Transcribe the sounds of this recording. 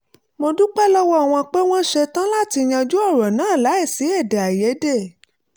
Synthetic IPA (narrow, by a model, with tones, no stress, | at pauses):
mo˧du˦k͡pɛ˦lɔ˦wɔ˦a˨w̃ɔ̃˧k͡pe˦w̃ɔ̃˦ʃɛ˧tã˦la˦˨ti˧j̃ã˧d͡ʒu˦ɔ˦˨ɾɔ̃˨nãː˨˦˨la˨˦ɛ˦˨si˨˦ɛ˦˨da˨a˨jɛ˨˦de˦˨